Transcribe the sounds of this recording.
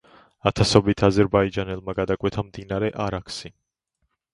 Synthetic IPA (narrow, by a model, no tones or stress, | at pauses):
at̪ʰasɔbit̪ʰazɛɾbaid͡ʒanɛlˠmaɡad̪akʼwɛt̪ʰamd̪inaɾɛʔaɾakʰsi